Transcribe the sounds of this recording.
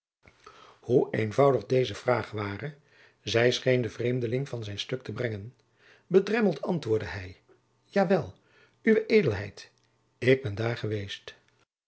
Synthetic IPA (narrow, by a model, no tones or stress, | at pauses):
huenvɑwdəχdejzəv̥raːχʋaːrə | zɛjsχejndəvrejmdəlɪŋvɑnzɛjnstɵk̚təbrɛŋən | bədrɛməlˠtʰɑntʋʊːɹdəɦɛj | jaːʋɛlˠ | yʋəʔejdəlˠɦɛjt | ɪɡ̚bɛndaːɹχəʋejst